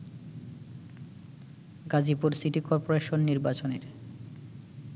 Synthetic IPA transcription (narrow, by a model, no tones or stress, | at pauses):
ɡad͡ʑipuɾsiʈikɔɾpoɾeʃonːiɾbat͡ɕoneɾ